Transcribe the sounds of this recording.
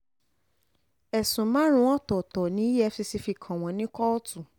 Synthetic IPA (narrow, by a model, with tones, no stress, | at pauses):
ɛ˨sũ˨mã˨˦ɾ̃ũ˧˦ɔ̃˦˨tɔ˨tɔ˨nĩ˦ɛ˧si˧si˧fi˧kʰã˨w̃ɔ̃˨nĩ˦kɔ˦ɔ˦tu˦˨